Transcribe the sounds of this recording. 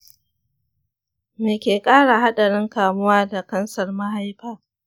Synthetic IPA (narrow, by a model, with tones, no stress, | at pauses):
meː˨kʲeː˨kʼaː˦ɽa˨ɦa˦ɗa˨ɽɪ˦ŋkaː˨mʊ˦waː˦da˨kɐ˦nsɐ˨rma˦ha˦jɸaː˦